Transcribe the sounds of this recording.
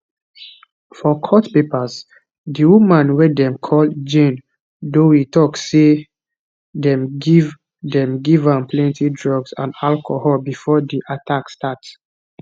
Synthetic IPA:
fɔkʰɔtpepəz | diwumãnwɛdɛ̃mkʰɔld͡ʒẽn | doitɔkse | dɛ̃mɡiv | dɛ̃mɡivãmplɛ̃ntidɹɔɡsã̰nalkʰohɔlbifɔdiʔatʰakstats

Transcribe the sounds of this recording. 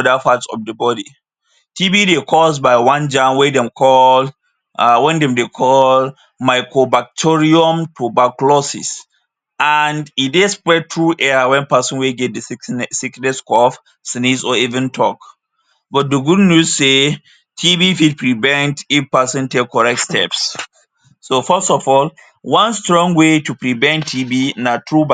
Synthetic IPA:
dafatsɔ̰fdəbɔdi | tʰibidekʰɔsbaɪwãnd͡ʒãmwɛdɛ̃mkʰɔl | wɛ̃ndɛ̃mdekʰɔl | maɪkɹobak̚tʰɔɹiɔ̃mtʰobaklɔsḭs | andidespɹɛd̚tʰɹuʔɛawɛ̃npasɔ̃nweɡɛt̚dəsiknɛskɔf | snesɔivɛ̃ntʰɔk | bɔt̚dəɡudnuse | tʰibifid̚pɹivɛ̃ntifpasɔ̃ntekkʰːɔɹɛk̚tstʰɛps | sofəstɔfɔl | wãnstɹɔ̃ŋwetupɹivɛ̃ntʰːibinatʰɹub

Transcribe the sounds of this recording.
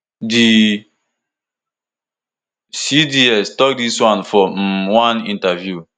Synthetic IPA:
di | sidiɛstɔk̚diswãnfɔwãnĩntavju

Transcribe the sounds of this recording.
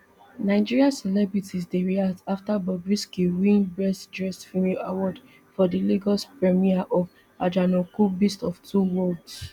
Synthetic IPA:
naɪd͡ʒiɹiasɛlɛbɹitʰisdeɹiaktaftabɔbɹiskiwĩnbɹɛstdɹɛstfimɛawɔd | fɔdiliɡɔspɹɛmiaʔɔv | ad͡ʒanɔkubistɔftʰuwɔlds

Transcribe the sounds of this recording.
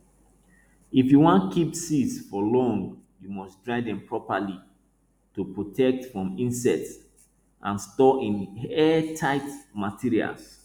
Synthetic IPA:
ifjuwɔ̃nkʰipsisfɔlɔ̃ŋjumɔsdɹaɪdɛ̃mpʰɹɔpali | tupɹotʰɛk̚tfɹɔ̃mĩnsɛts | ʔã̰nstɔĩnɛtʰaɪtmatʰiɹia̰ls

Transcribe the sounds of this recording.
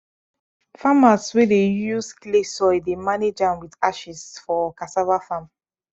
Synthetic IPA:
famaswedejusklesɔɪdemaned͡ʒãnwidaʃisfɔkasavafãm

